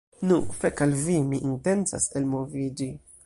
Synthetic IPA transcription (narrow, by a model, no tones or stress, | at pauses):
nufekalvimiʔinte̞nt͡sa̰se̞lmo̞vid͡ʒi